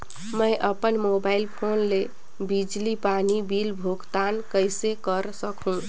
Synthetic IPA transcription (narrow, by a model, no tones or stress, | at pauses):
məɪʔəpənmobailpʰonle | bid͡ʒlipanibilbʱoɡt̪ankəjsekəɾsəkʰɦũ